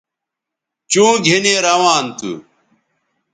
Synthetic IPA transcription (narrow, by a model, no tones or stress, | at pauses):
t͡ɕũːɡʱinẽːɾɐʋaːnt̪ṵ